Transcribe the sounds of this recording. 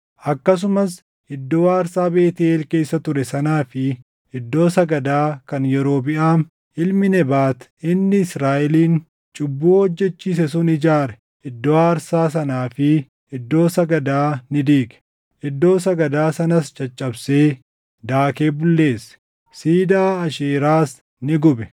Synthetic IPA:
ʔɐkːɐs̬ʊmɐs | ʔɪd̪ːoːaːɾsaːbeːt̪ɪeːlke̞ːsːɐt̪ʊɾɛsɐnaːfɪ | ɪd̪ːo̞ːsɐɡɐd̪aːkɐnjɛɾo̞ːbɪʔaːn | ɪlmɪnɛbaːt̪ɪnːɪɪsɾaːʔɪliːn | t͡ʃʼʊbːuːhɔd͡ʒːɛt͡ʃːiːs̬ɛsʊnɪd͡ʒaːɾɛ | ʔɪd̪ːoaɐɾsaːs̬ɐnaːfɪ | ɪd̪ːo̞ːsɐɡɐd̪aːnɪd̪iːɡɛ̥ | ʔɪd̪ːo̞ːsɐɡɐd̪aːsɐnɐst͡ʃʼɐt͡ʃʼːɐbseː | d̪aːke̞ːbʊlːe̞ːsː | siːd̪aːɐʃeːɾaːs | nɪɡʊbɛ

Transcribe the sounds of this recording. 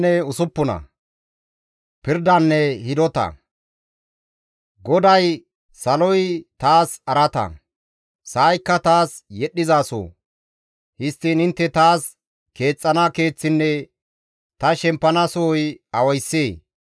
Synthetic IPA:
ɛʊsʊpːʊnɐ̰ | pɪɾd̪ɐnːɛhɪd̪ɔt̪ɐ̰ | ɡɔd̪ɐj | sɐlɔjt̪aːsɐɾɐt̪ɐ̰ | saːjkːɐt̪aːsjɛɗːɪzaːso̰ː | hɪst̪ːiːnɪnt̪ːɛt̪aːs | ke̞ːt͡sʼːɐnake̞ːt͡sːɪnːɛ | t̪ɐʃɛmpːɐnɐsɔːjɐwɐjsːeː

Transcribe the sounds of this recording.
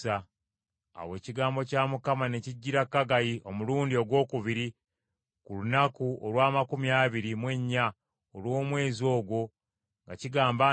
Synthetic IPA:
a̰ː | we̞ːciɡaːmbo̞caːmukamane̞ciɟːiɾakːaɡajiʔo̞muluːndio̞ɡwo̞ːkuβiɾi | kulunakuolwaːmakumjaːβiɾimwe̞ɲːa | olwo̞ːmwe̞ːzo̞ːɡwo̞ | ŋɡaciɡaːmba

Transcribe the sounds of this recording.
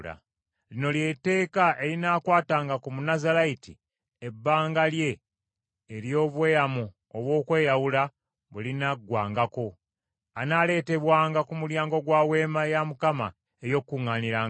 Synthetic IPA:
la̰ | lino̞lje̞te̞ːkaʔe̞linaːkwaːtaːŋɡakumunazalaitḭ | ebːaːŋɡalje̞ː | ɾjo̞ːβwe̞ːjamu | oβwo̞ːkwe̞ːjawula | βulinaɡwaːŋɡako̞ | anale̞ːte̞βwaːŋɡakumuljaːŋɡo̞ɡwaːwe̞ːmajamukama̰ | ejo̞kːuŋːaniɾaːŋ

